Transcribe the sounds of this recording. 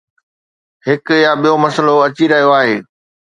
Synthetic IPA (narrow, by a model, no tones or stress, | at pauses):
hɪkjaɓijomɐsəloɐt͡ɕiɾɐɦijoaːɦeː